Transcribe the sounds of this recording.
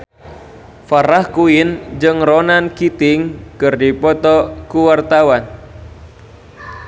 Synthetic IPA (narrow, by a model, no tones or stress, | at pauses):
faɾahkuɪnd͡ʒɨŋronankit̪ɪŋkɨrdipɔt̪ɔkuwart̪awan